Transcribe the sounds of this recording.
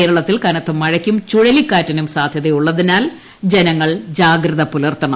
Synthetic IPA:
eːɾɐɭɐt̪ːilkɐnɐt̪ːɐmːɐɻɐkʲːumt͡ɕuɻɐlikːaːtːɐnumsaːd̪ʱjɐðejuɭːɐðinaːl | d͡ʑenɐŋːɐɭd͡ʑaːɡɾɨðɐpːulɐrt̪ːɐɳɐm

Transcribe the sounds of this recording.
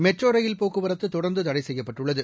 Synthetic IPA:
mɛʈroːɾɐjɪlpoːkːɯʋɐɾɐt̪ːɯt̪ːɔɽɐɾnd̪ɯt̪ɐɽɐɪsɛjːɐpːɐʈːɯɭːɐðɯ

